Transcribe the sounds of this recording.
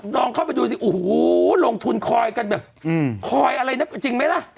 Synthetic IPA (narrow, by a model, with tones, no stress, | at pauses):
nɔː˧ŋkʰaː˥˩pa˧jduː˧si˨˩ʔuː˨˩hu˨˦lo˧ŋt̪ʰu˧nkʰɔː˧jka˧nbɛː˨˩p̚ːkʰɔː˧jʔa˧ɾa˧jna˦˥kt͡ɕi˧ŋma˦˥jla˦˥˩ʔ